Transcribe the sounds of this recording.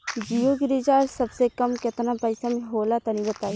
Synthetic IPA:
d͡ʒijoɡɪɾid͡ʒaːɾsɐbsekɐmkɪt̪napɐɪsamẽɦoːlat̪ɐnĩbɐt̪aːi

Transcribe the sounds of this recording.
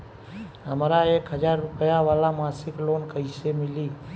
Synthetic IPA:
ɦəmɾaeːkɦəzaːɾːʊpəjaʋaːlamaːsɪkloːnkəɪsemɪliː

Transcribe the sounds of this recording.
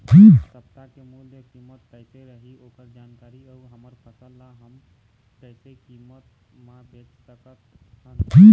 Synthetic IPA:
d͡ʒisəpt̪akemulnekimːət̪kəjt̪eɾəɦiokəɾd͡ʒankaɾiəuɦəməɾpʰəsəlːaɦəm | kəɦsekimːət̪ | mabet͡ʃsəkət̪ʰənd͡ʒi

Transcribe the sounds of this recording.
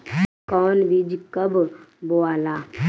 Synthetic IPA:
kɔːnʋid͡ʒkəbboaːlaː

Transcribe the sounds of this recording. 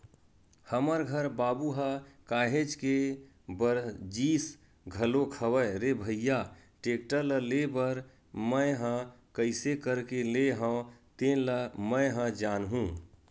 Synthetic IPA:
həməɾɡʱəɾbaːbuɦəkaːɦed͡ʒke | bəɾd͡ʒis | ɡʱəlokʰəwəjɾebʱəjjaʈekʈələlebəɾ | məjɦə̃kəɪsekəɾkeleɦə̃t̪eləməɪɦə̃d͡ʒaːnɦũː

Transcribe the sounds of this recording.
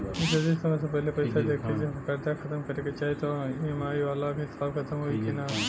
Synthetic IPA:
ɪt̪ɐzisɐmɐs̬epɐɦlepɐɪsad̪eːkʰːed͡ʒekɐɾd̪axɐt̪əmkɐɾeːɡet͡ʃaːɦet̪oemaːiʋaːlakesaːbxʰɐt̪əmɦoːikina

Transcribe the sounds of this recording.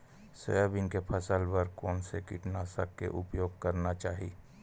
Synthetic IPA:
sə̰jəbɪnkepʰəsəlbəɾkɔːnsekɪʈnaːsəkkːḛʔʊpjoːɡ̚kəɾnat͡ʃaːɦiː

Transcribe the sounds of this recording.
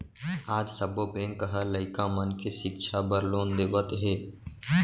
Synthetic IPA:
aːd͡ʒsəboːpẽːŋkːəɦələɪkãːmənkʰiʃɪkʃʰabəɾloːnd̪eːʋət̪ɦeː

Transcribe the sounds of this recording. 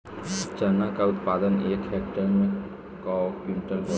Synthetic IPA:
t͡ʃənakaʊt̪̚pad̪əneːkɦek̚ʈəɾmẽ | kɔkinʈəlɦo

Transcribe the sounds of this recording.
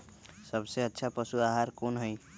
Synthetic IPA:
sʌbseətːʃʰapʌsuaɦaɾkonɦoj

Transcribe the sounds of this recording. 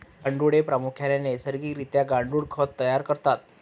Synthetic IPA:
ɡaɳɖuɽepɾamukʰjanjenesəɾɡiːɾit̪jaɡaɳɖuːɽkʰət̪ːəjaɾkəɾt̪at̪̚

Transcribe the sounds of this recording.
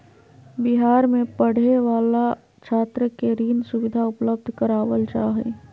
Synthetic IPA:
bɪɦaːɾmẽpəɽ̤eʋaːla | t͡ʃʰaːt̪ɾəkeɾiːnsʊwɪd̪ʱaʊpləbd̪ʱkəɾaːʋəld͡ʒaːɦḛː

